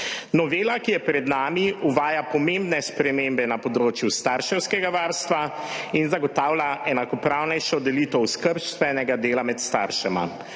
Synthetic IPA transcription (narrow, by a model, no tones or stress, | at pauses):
nɔʋeːlakijɛpɾɛd̪naːmiuʋaːjapɔmembnɛspɾɛmembɛnapɔd̪ɾoːt͡ʃjust̪aːɾʃɛwskɛɡaʋaːɾst̪ʋa | inzaɡɔt̪aːwlʲaʔɛnakɔpɾawnɛjʃɔd̪ɛliːt̪ɔwskəɾʃt̪ʋɛnɛɡad̪eːlamɛt̪st̪a̰ɾʃɛma̰